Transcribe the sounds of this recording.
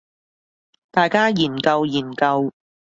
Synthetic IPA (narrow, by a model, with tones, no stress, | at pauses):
t̪aː˨jkaː˥jiː˨˩nkɐ˧wjiː˨˩nkɐ˧w